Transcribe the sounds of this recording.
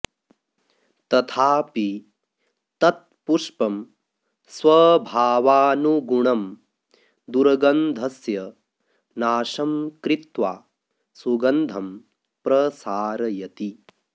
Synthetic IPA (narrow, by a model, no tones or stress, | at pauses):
t̪ɐt̪ʰaːpi | t̪ɐt̪̚puʂpɐm | swɐbʱaːʋaːnuɡuɳɐm | d̪uɾɐɡɐnd̪ʱɐsjɐ | naːʃɐmkɾit̪ʋaː | suɡɐnd̪ʱɐm | pɾɐsaːɾɐjɐt̪i